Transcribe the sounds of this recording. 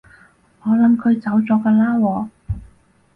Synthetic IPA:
ŋɔː˨˧lɐ˨˥mkʰɵ˨˧ɥt͡sɐ˨˥wt͡sɔː˨˥kɐː˧laː˥wɔː˧

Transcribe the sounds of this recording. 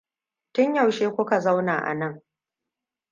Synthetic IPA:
tʊ˦ɲja˨wʃeː˦kʷʊ˦ka˨za˦wnaː˨ʔa̰˨nɐ˦˨ŋ

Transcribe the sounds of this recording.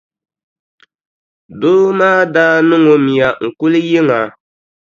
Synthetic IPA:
doː˦maː˦daː˦nɨ˦ŋo˨mi˨ja˨ŋ̩˨kʊ˦lɨ˦jɪ˦ŋa˨

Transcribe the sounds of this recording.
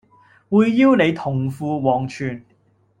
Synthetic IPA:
wuː˨˧jːiː˥wne˨˧jt̪ʰʊ˨˩ŋfuː˨˧wɔː˨˩ŋt͡ʃʰyː˨n

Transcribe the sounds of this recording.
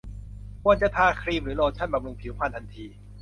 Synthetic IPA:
ku˧˨nt͡ɕa˧˩t̪ʰaː˧kʰɾiː˧˩mɾɯː˨˩˦lɔː˧t͡ɕʰa˥˩nba˨˩lu˧ŋpʰi˩˦wpʰaː˧˥˩nt̪ʰa˧nt̪ʰiː˧

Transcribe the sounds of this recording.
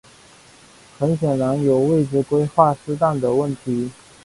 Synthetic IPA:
xə˧˥nɕjɛ˨˩nɻa˧˥njo˨˩ʊwe˥˩ɪʈ͡ʂɻ̩˥˧kwe˥ɪxwa˥˩sɹ̩˥t̪a˥˩nd̪ə˩wə˥˩nt̪ʰi˧˥

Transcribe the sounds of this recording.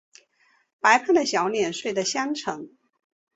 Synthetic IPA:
pa˧˥ɪpʰa˥˩nd̪ə˩ɕjɑ˨˧˥ʊnjɛ˨˩nʂwe˥˩ɪd̪ə˩ɕjɑ˥ŋʈ͡ʂʰɤ˧˥ŋ

